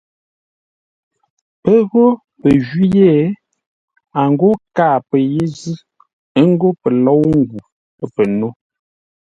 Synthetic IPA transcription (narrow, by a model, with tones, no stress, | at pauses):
pə˦ɣo˦ | pə˨ʒɥi˦je˦˨ | a˨ŋ˨ɡo˦kaː˦˨pə˨je˦zi˦ | ə˦ŋ˦ɡo˦pə˨lɔ˦wŋ˦ɡu˨ | ə˦pə˨no˦